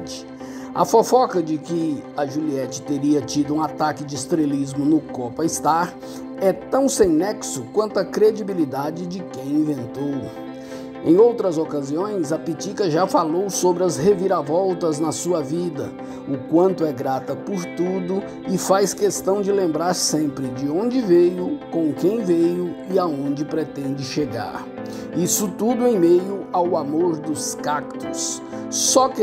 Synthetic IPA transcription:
t͡ʃɪ̥ | ɐ̰fofɔkɐd͡ʒɪkɪɐʒuliɛt͡ʃɪ̥t̪eɾiɐt͡ʃid̪ʊũat̪akɪd͡ʒɪːst̪ɾelizmʊnʊkɔpɐist̪aɾ | ɛt̪ɐ̃w̃sẽj̃nɛksʊkwɐ̃nt̪ʊɐkɾed͡ʒibilid̪ad͡ʒɪd͡ʒɪkẽj̃ĩvẽnt̪ow | ẽj̃owt̪ɾɐzokaziõj̃zɐpit͡ʃikɐʒafalowsobɾɪɐzheviɾavɔwt̪ɐznɐsuɐvid̪ɐ | ʊkwɐ̃nt̪ʊɛɡɾat̪ɐpʊɾt̪ud̪ʊ | ɪfajskest̪ɐ̃w̃d͡ʒɪlẽmbɾaɾsẽmpɾɪd͡ʒɪõnd͡ʒɪvejʊkõkẽj̃vejʊɪaõnd͡ʒɪpɾet̪ẽnd͡ʒɪʃeɡa̰ɾ | isʊt̪ud̪ʊẽj̃mejʊawamoɾd̪ʊskak̚t̪ʊsː | ɔkɪ

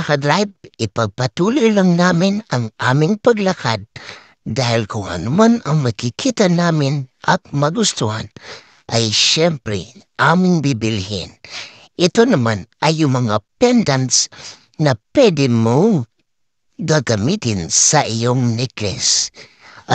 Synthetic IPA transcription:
kadɾajb̚ipaɡ̚patululaŋnaminaŋamiŋpaɡlakʰat̚ | dailkoa̰numanamakikʰitanaminak̚maɡustuan | ajʃempɾḛamiŋbibilhḭn | itonamanajumaŋapendans | napedimu | ɡaɡamitinsaʔijoŋniklḛs

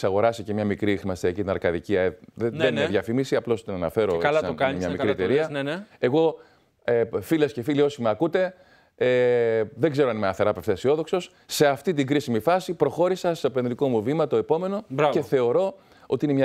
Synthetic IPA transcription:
sɐɣo̞ɾɐsicemɲɐmikɾixɾimɐst̪iɐcit̪inɐɾkɐðiciɐeenieðʝɐfimisiɐplo̞st̪inɐnɐ̰fe̞ɾolɐɐmɲɐmikɾiet̪eɾiɐnene̞ɣo̞ | filɐsce̞filio̞simeɐkut̪e̞ | eðeɡze̞ɾoɐnimeɐθeɾɐpe̞ft̪esio̞ðo̞kso̞s | se̞ɐft̪it̪iɡɾisimifɐsipɾo̞xo̞ɾisɐst̪openðɾiko̞muvimɐt̪o̞e̞po̞me̞no̞bɾɐce̞θe̞o̞ɾo̞ | o̞t̪iinemɲɐ

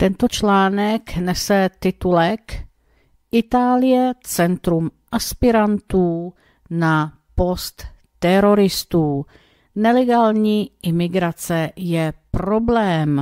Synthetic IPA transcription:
t̪ɛnt̪o̞t͡ʃlaːnɛknɛsɛt̪ɪt̪ulɛk | ʔɪt̪aːlɪjɛt͡sɛnt̪ɾumʔaspɪɾant̪uː | na | po̞st̪ː | ɛɾo̞ɾɪst̪uː | nɛlɛɡaːlɲiːʔɪmɪɡɾat͡sɛjɛpɾo̞blɛːm

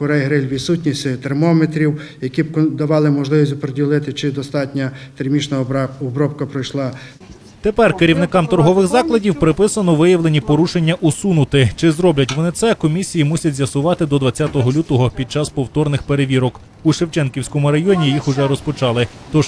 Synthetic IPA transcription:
kɔɾɛjɦɾɪlʲʋʲisutʲnʲisʲɪt̪ermɔmet̪ɾʲiwjɐkʲibd̪ɐʋɑlˠɪmɔʒlˠɪʋʲisʲzʊpɾedʲilˠɪt̪ɪt͡ʃɪd̪ɔst̪ɑtʲnʲɐt̪ermʲit͡ʃnɐɔbɾɔpkɐpɾɔjʃlˠɑ | t̪epɛrkeɾʲiwnɪkɑmt̪ɔrɦɔʋɪɣzɑklˠɐdʲiwpɾɪpɪsɐnɔʋɪjɐʋlˠe̞nʲipɔɾuʃe̞nʲːɐʔusunʊt̪ɪt͡ʃɪzɾɔblʲɐtʲʋɔnɪt̪sɛkɔmʲisʲijimusʲɐtʲzʲjɐsʊʋɑt̪ɪd̪ɔd̪ʋɐt͡sʲjat̪ɔɦɔlʲut̪ɔɦɔpʲid̪̚t͡ʃɑspɔwt̪ɔrnɪxpeɾeʋʲiɾɔk | uʃewt͡ʃɛnkʲiwsʲkɔmʊɾɐjɔnʲijixʊʒɛɾɔspɔt͡ʃɑlˠɪ | t̪ɔʒ

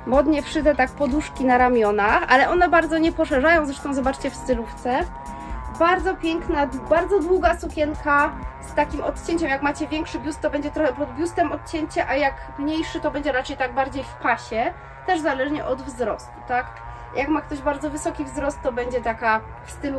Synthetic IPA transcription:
bɔd̪ɲɛpʂɘd̪ɛt̪ak̚pɔd̪uʂkʲinaɾamʲjɔnaxa̰lɛʔɔnɛbaɾd̪zɔɲɛpɔʂɛʐajɔ̃w̃zɾɛʂt̪ɔ̃w̃zɔbat͡ʂt͡ɕɛfst̪ɘluft̪sɛ | baɾd̪zɔpʲjɛŋknabaɾd̪zɔd̪wuɡasukʲɛŋkast̪akʲimɔt̪t͡ɕeɲt͡ɕɛmjakmat͡ɕɛvʲjɛŋkʂɘbʲjust̪ːɔbɛɲd͡ʑɛt̪ɾɔxɛpɔd̪̚bʲjust̪ɛmɔt̪̚t͡ɕɛɲt͡ɕɛʔajak | mɲejʂɘt̪ɔbɛɲd͡ʑɛɾat͡ʂɛjt̪aɡ̚baɾd͡ʑejfpaɕɛ | t̪ɛʐzalɛʐɲɛʔɔd̪vzɾɔst̪u̥t̪ak | jakmak̚t̪ɔʑbaɾd̪zɔvɘsɔkʲivzɾɔst̪ːɔbɛɲd͡ʑɛt̪aka | fst̪ɘlu

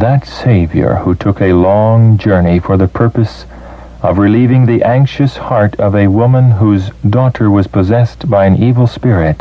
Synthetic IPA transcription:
ðətseɪvjə̰˞hutʰʊkɨlɔ̃ŋd͡ʒɜ˞nifə˞ðɨpʰɜ˞pɨs | ʌvɹɨlivɪ̃ŋðiʔæ̃ŋkʃɨshɑɹɾʌvɨwʊmə̃nɦuzdɔɾə˞wʌz̥pʰɨzɛsb̥aɪɨ̃nivl̩ˠspɪɹɪt̚

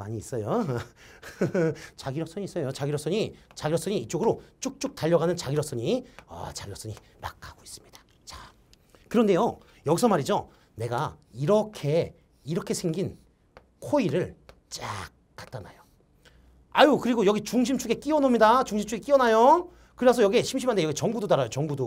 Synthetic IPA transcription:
aɲiːs͈ʌjo | t͡ɕaɡiɾʌs͈ʌɲiːs͈ʌjot͡ɕaɡiɾʌs͈ʌɲit͡ɕaɡiɾʌs͈ʌɲiːt͡ɕ͈oɡɯɾot͡ɕ͈uk̚t͡ɕ͈uk̚taʎːʌɣanɯnt͡ɕaɡiɾʌs͈ʌɲiʌ̰t͡ɕaɡiɾʌs͈ʌɲi | ma̰k͈̚aɡ̥ois͈ɯ̥mɲid̥ḁ | t͡ɕa | kɯɾʌnde̞jo | jʌɡisʰʌmaɾid͡ʑo | ne̞ɡaiɾʌkʰe̞ | iɾʌkʰe̞sʰeŋɡin | kʰoiɾɯɭ | t͡ɕ͈ak̚k͈at͈ana̰jo | ajukɯɾiɡojʌɡit͡ɕuŋɕ̬ʰimt͡ɕʰuɡe̞k͈iʌnomɲidat͡ɕuŋɕʰimt͡ɕʰuɡek͈iʌnajo | kɯɾasʰʌjʌɡieɕʰimɕimandejʌɡit͡ɕʌŋɡudodaɾajot͡ɕʌŋɡudo

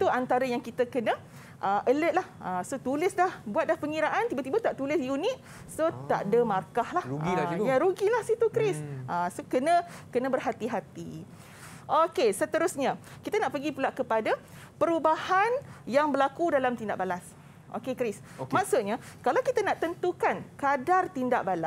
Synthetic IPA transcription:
t̪uant̪aɾajaŋkit̪akənə̃ | ʔəʔələt̪̚lahʔasot̪ulɪsdahbuat̪̚dlahpəŋiɾaʔant̪ibət̪ibət̪aʔt̪ulɪsjunɪt̪̚ | sot̪a̰ʔdəmarkahlahuɡijaɾuɡilahsit̪ukɾɪsʔasokənə̃kənə̃bərɦat̪iɦat̪i | ʔokesət̪əɾusɲã | kit̪anaʔpəɡipulaʔkəpada | pəɾubahanjaŋbəlakudalamt̪indaʔbalas | ʔo̰kekɾɪs | mãksuʔɲakalawkit̪anaʔt̪ənt̪ukankadart̪indaʔbalas

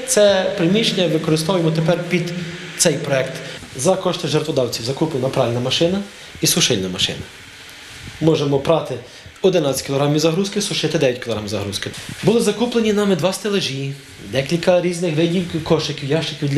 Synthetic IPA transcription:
t̪sɛpɾemʲit͡ʃenʲɐʋɪkɔɾɪst̪ɔʋʊjemɔt̪epɛrpʲid̪t̪sɛjpɾɔɛkt̪zɐkɔʃt̪ɪʒɛrt̪ʋɔd̪ɑwt͡sʲiwzɐkuplˠenɐpɾɑlʲnɐmɐʃɪnɐ | isʊʃɪlʲnɐmɐʃɪ̰nɐ | mɔʒemɔpɾɑt̪ɪ | ɔd̪ɪnɑt͡sʲɐ̥tʲkʲilˠɔɦɾɑmʲiwzɐɦɾuskɪsʊʃɪt̪ɪd̪ɛjɐt̚ʲkʲilˠɔɦɾamizɐɦɾuskɪbʊlˠɪzɐkuplˠenʲinɑmɪd̪ʋɑst̪elˠeʒi | d̪ɛkʲilʲkɐɾʲiznɪxʋɪdʲilkkɔʃɪkʲiwjɑʃt͡ʃɪkʲiwd̪lʲ

